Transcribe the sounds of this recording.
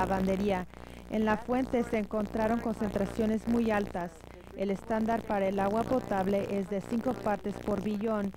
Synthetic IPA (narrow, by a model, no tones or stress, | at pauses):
aβand̪e̞ɾia | ḛnlafwe̞nt̪e̞seːŋko̞nt̪ɾaɾo̞ŋko̞nse̞nt̪ɾasjo̞ne̞zmujalt̪as | e̞le̞st̪and̪aɾpaɾae̞laɣwapo̞t̪aβle̞ʔe̞zðe̞siŋko̞paɾt̪e̞spo̞ɾβiʝo̞n